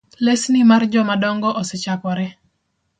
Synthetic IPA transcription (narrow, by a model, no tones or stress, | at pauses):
lesnɪmard͡ʒɔmadɔŋɡɔʔɔset͡ʃakɔɾɛ